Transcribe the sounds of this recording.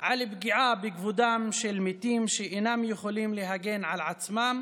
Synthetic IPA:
ʕalbɡiʕabeɡvud̪amʃelmit̪imʃeʔenamjeχolimleɦaɡe̞nʕalʕat͡smam

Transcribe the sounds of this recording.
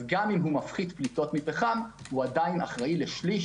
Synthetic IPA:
ɡamimɦumafχidplito̞tmipeχam | huad̪aina̰χʁaileʃliʃ

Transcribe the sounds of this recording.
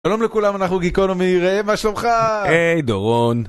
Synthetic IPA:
ʃalo̞mlekulamanaχnuɡikonomeiʁaemaʃlomχaejd̪o̰ʁon

